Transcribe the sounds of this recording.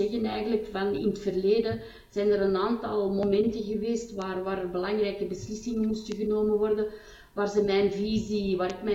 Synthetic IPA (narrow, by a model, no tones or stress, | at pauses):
ɛɣənɛjɣənləkfɑnɪ̰nətfərleːdə | z̥ɛjnəɾənaːntɑlˠmomɛntəɣəʋeːstʋaːrʋaːɾərbəlɑŋrɛjkəbəslɪsɪŋənmustəɣənoːməʋɔrdə | ʋaːrzəmɛjnviziʋaːɾɪkmɛ